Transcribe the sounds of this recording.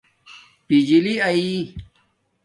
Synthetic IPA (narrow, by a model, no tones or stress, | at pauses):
pid͡ʑiliɐi